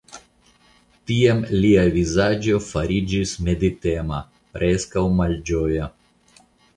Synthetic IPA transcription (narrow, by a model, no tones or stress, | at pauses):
t̪iamliavizad͡ʒofaɾid͡ʒismʲed̪it̪ema | pɾʔeskawmald͡ʒoja